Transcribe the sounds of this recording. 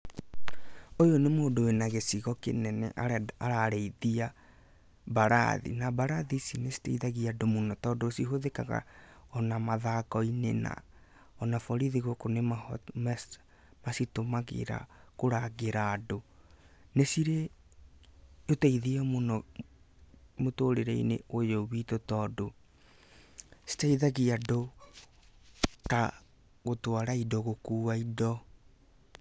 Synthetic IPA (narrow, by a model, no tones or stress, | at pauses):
ojonemoːdowenaɣesiɣɔkḛnɛnɛ̰ʔaaɾaɾɛiðia | baɾa̰ðḭnabaɾaðisinesi̥teiðaɣiadomunɔtɔːdɔːsiɦoðeka̰ɣa̰ɔnamaðakɔinḛna̰ | ɔnafɔɾiðiɣokonemam | masitomaɣḛɾa̰koɾaɣeɾaːdo | nesiɾe | otaiðiɔmonɔ | motoɾeɾɛḭneʔojɔβitotɔdo | si̥taiðaɣiado | ka | ɣotwaɾaidɔɣokuːaidɔ